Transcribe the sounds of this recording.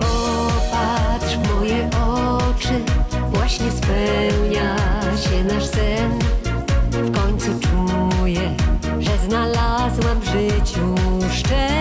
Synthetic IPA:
pɔ | patʂmɔjɛʔɔt͡ʂɘ | vwaɕɲɛspɛwɲaɕɛnaʂsɛn | fkɔɲt̪sut͡ʂujɛ | ʐɛznalazwɛmvʐɘt͡ɕuʂt͡ʂɛ

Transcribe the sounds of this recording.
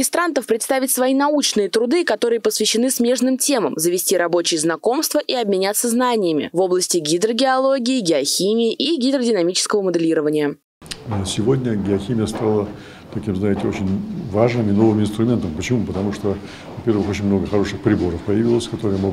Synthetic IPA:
ɪst̪ɾant̪əfpɾʲɪt̪st̪avʲɪtʲsvɐinɐut͡ɕnɨjət̪ɾʊd̪ɨkɐt̪o̞ɾɨjəpəsvʲɪɕːɪnɨsmʲe̞ʐnɨmtʲe̞məmzəvʲɪsʲtʲiɾɐbo̞t͡ɕɪjəznɐko̞mst̪vəʔiɐbmʲɪnʲat̪səznanʲɪjɪmʲɪ̰vo̞blˠəsʲtʲɪɡʲɪd̪ɾəɡʲɪɐlˠo̞ɡʲɪːɡʲɪɐxʲimʲɪːʔiɡʲɪd̪ɾədʲɪnɐmʲit͡ɕɪ̥skəvəməd̪ɨlʲiɾəvənʲɪjə | sʲɪvo̞dʲnʲəɡʲɪɐxʲimʲɪjəst̪alˠə | t̪ɐkʲimznaɪtʲɪot͡ɕɪnʲvaʐnɨmɪno̞vɨmɪnst̪ɾʊmʲe̞nt̪əmpət͡ɕɪmupət̪ɐmuʂt̪o | vɐpʲervɨxot͡ɕɪnʲmno̞ɡəxɐɾo̞ʂɨxpɾʲɪbo̞ɾəfpəjɪvʲilˠəsʲkɐt̪o̞ɾɨjəmo

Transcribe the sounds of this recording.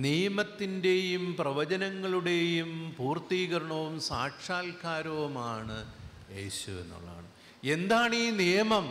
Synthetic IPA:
nijɐmɐt̪ːinde̞jumprɐʋɐt͡ɕɐnɐŋːɐɭuɽe̞jumpuːrt̪iːɣɐɾɐɳɐʋumsaːkʂaːlkaːɾɐʋumaːɳɨ | e̞ːɕuḛnːṵɭːa̰ːɳɨ | e̞nd̪aːɳiːnijɐmɐm

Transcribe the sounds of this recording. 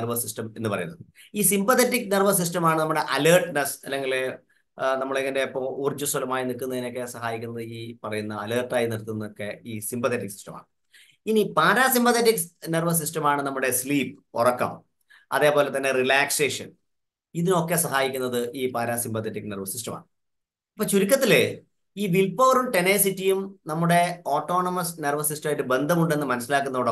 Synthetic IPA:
rʋɐsistɐme̞nːɨpɐrɐjunːɐðɨiːsimpɐt̪ʰetːikːnerʋɐs̬is̬tɐmaːɳɨnɐmːuɽe̞ʔɐlɐːrʈɨnɐsɐlːe̞ŋɡile | nɐmːɐɭeŋɐndepːɐmurd͡ʑusolɐmaːjinikːunːɐðino̞kːe̞sɐɦaːjikʲːunːɐðɨiːpɐrɐjunːɐɐlɐːrʈːaːjiniɽt̪ːunːɐokːeiːsimpɐt̪ʰetːiksi̥stɐma̰ːɳɨ | inipaːɾaːsimbɐt̪etːiknerʋɐs̬isʈɐmaːɳɨnɐmːuɽe̞sliːpɨo̰rɐkːɐ̰m | ɐ̰ðe̞ːpoːle̞t̪ɐnːe̞rilaːkseːʂɐ̰n | iðino̞kːe̞sɐɦaːjikʲːunːɐðɨʔiːpaːɾaːsimpɐt̪ʰːetːikːnerʋɐsistɐma̰ːɳɨ | ɐpːoːt͡ɕuɾik̬ʲːɐt̪ːile | iːʋilpo̞ːruɳʈeneːsitːijumnɐmːuɽe̞oːʈːo̞ːɳɐmɐsnerʋɐsistɐmajʈːɨbe̞nd̪ʱɐmuɳɖe̞nːɨmɐnɐsːilaːkːunːɐoːɽɐ

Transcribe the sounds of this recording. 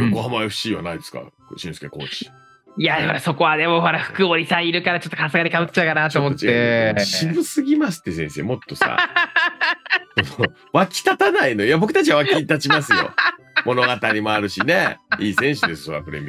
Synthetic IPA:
ɡoɦãmaeɸɕiːβa̰naid̪esɨ̥ka̰ | ɕĩsɨ̥keko̰ːt͡ɕi̥ | jaahoɾaso̞ko̞βad̪e̞mo̞ɦo̞ɾaɸɯ̟̥kɯbo̞ɾʲisãiɾɯ̟kaɾat͡ɕo̞t̪ːokasɨɡaɲʲikabɯtt͡ɕaɯ̟kanaːt̪omot̪ːeɕibɯ̟sɨɡʲimasɨ̥t̪ːe̞sẽ̞ɰ̃seːmo̞t̪ːo̞sa̰ | soo | βakʲi̥t̪at̪anainojabo̞kɯ̟t̪at͡ɕiβaβakʲit̪at͡ɕimasɨjo̞̰ | mo̞no̞ɡat̪aɾʲimoaɾɯ̟ɕineiːsẽ̞ɰ̃ɕɨd̪e̞sɨ̥soɾa̰pɯ̟ɾḛmʲi

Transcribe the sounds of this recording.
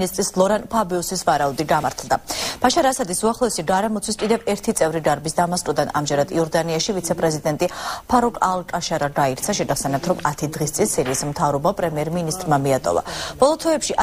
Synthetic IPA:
nist̪ʼɾislˠɔɾanpʰabiusisvaɾaud̪iɡamaɾt̪ʰlˠd̪ab̥aʃaɾaːsad̪isuaχlˠɔɛsiɡaɾɛmɔt̪sʰwiskʼid̪ɛvɛɾt̪ʰit̪sʼɛvɾid̪aɾbisd̪amast̪ʼud̪ana̰md͡ʒɛɾad̪iɔɾd̪aniaʃivit̪sʰɛpʼɾɛzid̪ɛnt̪ʼipʰaɾɔkʼalˠkʼaʃaɾaɡaiɾt̪sʰaʃɛɡaχsɛnɛp̚t̪ʰɾɔmat̪ʰid̪ʁist̪sʼinsiɾiːsmt̪ʰavɾɔbapʼɾɛmiɛɾminist̪ʼɾmamiat̪ʼɔ̰va̰b̥ɔlˠɔt̪ʰwɛːpʃiʔa

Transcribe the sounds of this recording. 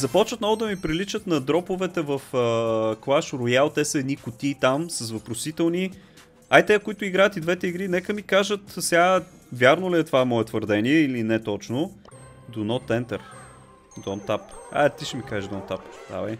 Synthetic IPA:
zɐpɔt͡ʃvət̪nɔɡʊd̪ɐmipɾilit͡ʃət̪nɐd̪ɾɔpʊvɛt̪ɛvəfəklˠaʃɾojalˠt̪ɛsəɛd̪nikʊt̪iːt̪amsɐsvɐpɾosit̪ɛlˠni | ajt̪ɛkʊit̪ʊiɡɾajət̪id̪vɛt̪ɛiɡɾinɛkəmikaʒət̪sʲa | vʲjaɾnoliɛt̪ovamɔɛt̪vəɾd̪ɛniɛilinɛt̪ɔt͡ʃnʊ | d̪onɔt̪ɛnt̪ɛɾ | d̪ɔnt̪apa̰t̪iʃɛmikaʒiʒd̪ɔnt̪apt̪a̰vɐ̰j

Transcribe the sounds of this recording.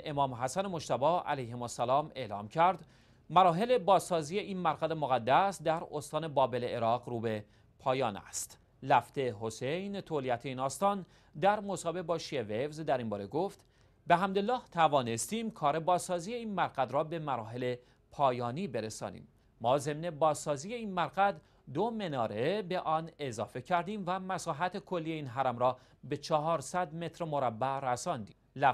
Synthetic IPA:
ʔemɒːmɦæsænemo̞ʃt̪æbɒːæ̰læjhemosːælɒːme̞̰ːlɒːmcʰæɾd̪ | mæɾɒːɦe̞le̞bɒːzsɒːziːjeiːnmæɾɣæd̪emoɣæd̪ːæsd̪æɾost̪ɒːne̞bɒːbe̞leeɾɒːɣɾuːbe̞ | pʰɒːjɒːnæ̰st̪ | læft̪e̞ɦo̞sejnt̪ʰoliæt̪ʰeiːnɒːst̪ɒːn | d̪æɾmo̞sɒːbe̞bɒːʃievevzd̪æɾimbɒːɾe̞ɡoft̪ | be̞ɦæmd̪elːɒːht̪ʰævɒːne̞st̪iːmkʰɒːɾe̞bɒːzːɒːziːjeiːnmæɾɣæd̪ɾɒːbe̞mæɾɒːɦe̞le | pʰɒːjɒːniːbeɾesɒ̰ːnḭːmː | ɒːze̞mne̞bɒːzːɒːziːje̞iːnmæɾɡæd̪ | d̪ome̞nɒːɾebeʔɒːne̞zɒːfe̞cʰæɾd̪iːmvæmæsɒːɦæt̪ʰekʰo̞lːijeiːnɦæɾæmɾɒː | be̞t͡ʃʰɒɦɒːɾsæd̪me̞t̪ʰɾmo̞ɾæbːæɾæsɒnd̪ḭː | læ

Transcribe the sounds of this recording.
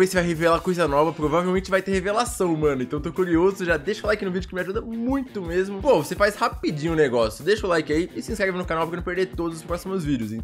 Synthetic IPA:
vejsɪvajɦevelakojzɐnɔvɐpɾovavewmẽnt͡ʃɪvajt̪eɾhevelasɐ̃w̃mɐ̃nʊẽt̪ɐ̃w̃t̪okuɾiozʊʒad̪eʃɐlajkɪnʊvid͡ʒʊkɪmɪaʒud̪ɐmũj̃t̪ʊmezmʊpovosefajshapid͡ʒĩɲʊneɡɔsjʊd̪eʃʊlajkɪaiɪsɪĩskɾɛvɪnʊkanawpɾkwnɐ̃peɾd̪ejt̪od̪ʊzʊspɾɔsimʊzvid͡ʒɪʊsẽt̪

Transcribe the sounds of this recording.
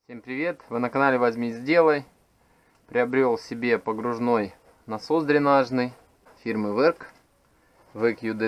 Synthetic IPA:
fsʲe̞mpɾʲɪvʲe̞t̪vɨnəkɐnalʲɪvɐzʲmʲizʲdʲe̞lˠəj | pɾʲɪɐbɾʲo̞lˠsʲɪbʲe̞pəɡɾʊʐno̞j | nɐsozd̪ɾʲɪnaʐnɨj | fʲirmɨvɛrk | vɨkjud̪ɛ

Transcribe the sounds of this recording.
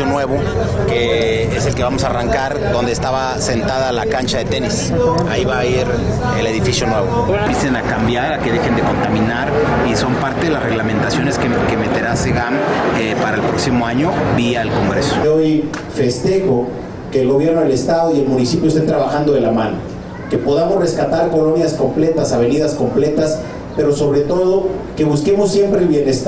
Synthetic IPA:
onwe̞βo̞ | ke̞ | eselkeβamo̞saːraŋkaɾðo̞nd̪eːst̪aβa | se̞nt̪aðalakant͡ʃaðe̞t̪e̞nis | aiβaiɾ | ele̞ðifisjo̞nwe̞βo̞pjesenakambjaɾake̞ðexe̞nd̪eko̞nt̪amĩnaɾ | iso̞mpaɾt̪eðelazre̞ɣlame̞nt̪asjo̞neskekeme̞t̪e̞ɾaseɣamepaɾaelpɾo̞ksimoaɲobiaelko̞ŋɡɾeso̥ojfe̞st̪e̞xo̞ | ke̞ːlɣo̞β̞je̞ɾno̞ðele̞st̪aðo̞ie̞lmũnisipjost̪ent̪ɾaβaxand̪o̞ðelamano | ke̞po̞ðamozre̞skat̪aɾko̞lo̞njasko̞mple̞t̪asaβ̞e̞niðasko̞mple̞t̪as | pe̞ɾoso̞βɾe̞t̪o̞ð̞o̞ke̞βuske̞mosːje̞mpɾe̞ːlβje̞ne̞st̪

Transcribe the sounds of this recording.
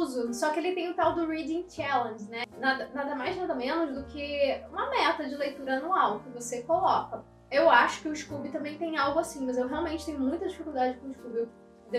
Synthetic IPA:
zʊsɔkɪelɪt̪ẽj̃ʊt̪awd̪ʊɾid͡ʒĩt͡ʃɛlẽnɛnad̪ɐnad̪ɐmajznad̪ɐmẽnʊzd̪ʊkʰɪũmɐmɛt̪ɐd͡ʒɪlejt̪uɾɐanuawkɪvosekolɔkɐ | ewaʃʊ̥kɪʊiʃkubɪt̪ɐ̃mbẽj̃t̪ẽj̃awɡʊasĩmɐzewɦeawmẽt͡ʃɪ̥t̪ẽɲ̃ʊmũj̃t̪ɐd͡ʒifikuld̪ad͡ʒɪɪkõiʃkubɪ | d̪e

